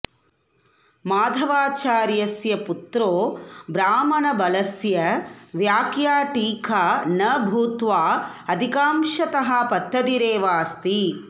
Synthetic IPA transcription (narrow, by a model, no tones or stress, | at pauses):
maːd̪ʱɐʋaːt͡ʃaːɾjɐsjɐput̪ɾoːbɾaːmɐnɐbɐlɐsjɐʋjaːkjaːʈiːkʰaːnɐbʱuːt̪ʋaː | ɐd̪ʱikaːmʃɐt̪ɐɦɐpɐt̪ːɐd̪iɾeːʋaːst̪i